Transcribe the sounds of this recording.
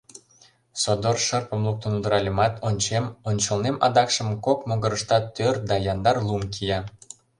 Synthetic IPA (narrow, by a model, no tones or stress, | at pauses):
sod̪orʃərpə̆mlˠuk̚t̪ənud̪əɾɑlʲemɑt̪onʲt͡ɕemonʲt͡ɕə̆lnemʔɑ̰d̪ɑkʃə̆mkokmoɡə̆ɾə̆ʃt̪ɑt̪ørd̪ɑjɑnd̪ɑrlˠumkʰijɑ